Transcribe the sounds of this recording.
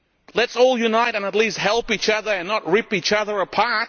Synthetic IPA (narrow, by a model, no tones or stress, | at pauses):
lɨtsɔlˠjɨnaɪɾɨ̃nətˡlist̚hɛlˠpit͡ʃʌðə˞ɨ̃nːət̚ɹipit͡ʃʌðə˞əpʰɑɹt̚